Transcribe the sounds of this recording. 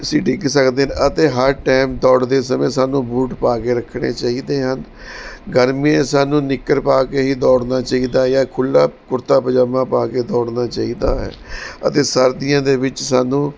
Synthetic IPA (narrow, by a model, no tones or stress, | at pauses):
əsĩːɖɪɡsəkd̪eːɦənət̪eːɦəɾʈɛːmd̪ɔːɽd̪eːsəmẽːsaːnũːbuːʈpaːkeːɾəkʰːɽ̃ḛːt͡ʃaːiːd̪eːɦən | ɡəɾmiẽːsaːnũːnɪkːəɾpaːkeːɦiːd̪ɔːɽnaːt͡ʃaːiːd̪aːjaːkʰʊlːaːkʊɾt̪aːpəd͡ʒaːmãːpaːkeːd̪ɔːɽnaːt͡ʃaːiːd̪a̰ːɦɛ̰ːə̰t̪eːsəɾd̪ɪjãːd̪eːʋɪt͡ʃsaːnũː